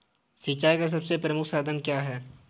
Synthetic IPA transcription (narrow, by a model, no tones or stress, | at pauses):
sit͡ʃaːikas̬ɐbsepɾɐmʊkʰsaːd̪ʱənkjaːɦɛː